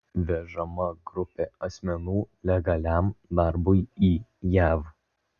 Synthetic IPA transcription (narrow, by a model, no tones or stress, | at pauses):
ʋʲɛʒɐmɐɡɾʊpʲeːɐsʲmʲɛnuːlʲɛɡɐlʲæmd̪ɐɾbʊɪiːjæːʋ